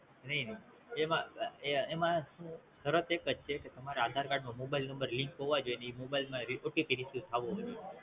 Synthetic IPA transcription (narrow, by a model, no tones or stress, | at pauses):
nəɦinəi | emã̰eemãʃũsəɾət̪ekət͡ʃt͡ʃʰeket̪əmaɾaad̪ʱaɾkaɖmãmobailnəmbəɾliŋkɦoʋad͡ʒoeneimobailmãɾioʈikiɾisjut̪ʰaʋõɦojt̪i